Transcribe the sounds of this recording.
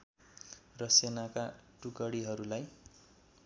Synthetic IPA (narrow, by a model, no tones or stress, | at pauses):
rʌsenakaʈukʌɽiɦʌɾulaj